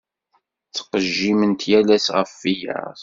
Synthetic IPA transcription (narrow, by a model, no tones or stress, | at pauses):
t͡sːə̥qəʒːimənt̪jælæsʁəfːijə̰ˤ